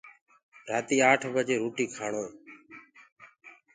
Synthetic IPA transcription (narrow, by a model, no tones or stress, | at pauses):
ɾaːt̪iːaːʈʰbəd͡ʒeːɾuːʈiːkʰaːɳoː